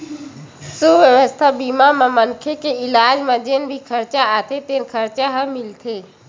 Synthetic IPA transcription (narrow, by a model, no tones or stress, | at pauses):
subʱʋjəʋəst̪ʰabiːmamãmənkʰekeɪlaːd͡ʒmãd͡ʒenbʱikʰəɾt͡ʃaaːt̪ʰet̪eːnkʰəɾt͡ʃaɦəmɪlt̪ʰeː